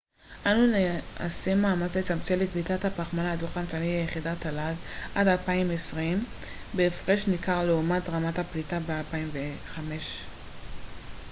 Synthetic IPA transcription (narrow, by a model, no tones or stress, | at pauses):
ʔanuneʔasemaːmat͡slet͡samt͡seleklitathapaχmanaad̪uχant͡sanilejeχidataladʔadalpaimesʁim | beːfʁe̞ʃnikaʁleumatʁamathaplitabealpaimveχame̞ʃ